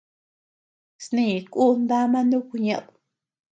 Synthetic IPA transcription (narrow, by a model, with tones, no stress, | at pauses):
snĩ˧˨ku˦nd̪a˦mã˦nũ˦ku˧ɲã˧ʔðu̥˨